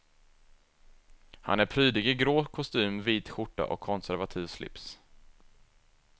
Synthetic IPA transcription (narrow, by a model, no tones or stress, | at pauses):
ha̰næɾpʰɾyːd̪ɪɡɪɡɾoːkʰɔst̪yːmviːt̪ɧʊʈːa̰ʔɔ̰kʰːɔnsæɾvat̪ʰiːvslɪ̰ps